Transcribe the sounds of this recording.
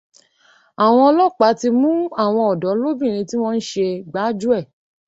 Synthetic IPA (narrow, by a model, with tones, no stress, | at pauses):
a˨w̃ɔ̃˧ɔ˧lɔ˦˨k͡pa˨˦ti˧mũ˦a˦˨w̃ɔ̃˧ɔ˨dɔ˨˦lo˦bĩ˦˨ɾ̃ĩ˧ti˦w̃ɔ̃˦n̩˦ʃe˧ɡ͡ba˨˦d͡ʒu˦ɛ˦˨